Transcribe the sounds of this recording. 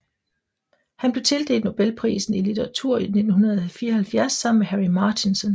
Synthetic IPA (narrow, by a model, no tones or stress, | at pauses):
hænb̥le̝t͡sʰe̝ld̥e̝̰ːld̥no̝b̥elpʰʁḭːsn̩ilit͡sʰeʁɑ̈t͡sʰuɐ̰ine̝d̥n̩ɦunɐð̞ˠɒhælfiːɐhælfjæɐsːɑ̈mnmehæʁimɑt͡sʰinsɔn